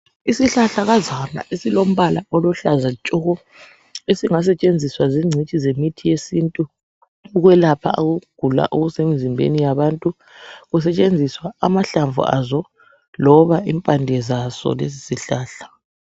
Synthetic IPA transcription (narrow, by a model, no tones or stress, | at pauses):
isiɬaɬaɣazana̰ʔesilom̩βalaɔlɔɬazat͡ʃʼɔɣɔ | esiŋas̬ɛt͡ʃʼend͡zʱiswaziŋ͡ǀʱit͡ʃʼizemitʰijesiːntʼuː | ɣwɛlapʰa̰aɣuɡ̥ʱula̰ʔuɣusemizimbʱḛnijaβantʼu | ɣusɛt͡ʃʼend͡zʱiswaːmaɬaɱvṵa̰zɔ | lɔβaimpʼandʱɛzasɔ̰lezisiɬaːɬḁ